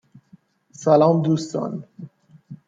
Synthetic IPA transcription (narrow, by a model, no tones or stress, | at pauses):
sælɒːmd̪uːst̪ɒ̰ːn